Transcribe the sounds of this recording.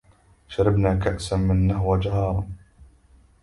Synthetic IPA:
ʃaɾˤɑbnaːkaʔsanmɪnːahwad͡ʒahɑːɾˤɑn

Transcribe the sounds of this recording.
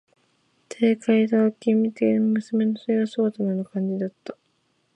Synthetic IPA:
t̪ʰe̞ːkaid̪akʲimʲːit̪einomɯ̟sɨme̞nosoiɡasoːt̪ananokãɲ̟d͡ʑid̪at̪ːḁ

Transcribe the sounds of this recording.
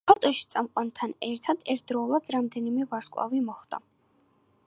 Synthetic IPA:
bat̪ʼɔʃi̥t̪sʼamqʼwant̪ʰanɛɾt̪ʰad̪ɛɾt̪̚ʰd̪ɾɔuvad̪ɾamd̪ɛnimɛvaɾskʼwa̰vimɔχd̪a̰

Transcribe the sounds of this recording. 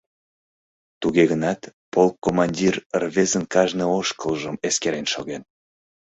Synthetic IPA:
t̪uɣeɣənɑt̪polkːomɑnʲdʲirərβezənkɑʒnəoʃkəlˠʒəmeskeɾenʃoɣen

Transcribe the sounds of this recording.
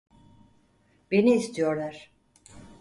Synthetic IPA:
be̞niːst̪ʰijo̞ɾlˠaɾ̥

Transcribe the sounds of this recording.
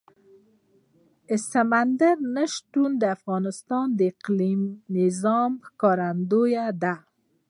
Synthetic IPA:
ɪsamand̪aɾnəʃt̪und̪əafɣɑnɪst̪ɑnd̪əɪqlimːɪzɑmkɑɾand̪ojad̪a

